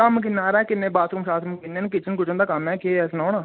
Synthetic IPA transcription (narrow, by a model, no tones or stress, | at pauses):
əmkɪnːaːɾɛːkɪnːẽːbaːskʊmʃaːsmkɪnːeːnkɪt͡ʃʰənkʊt͡ʃənd̪aːkəmɛːkeːɛsnõːnaː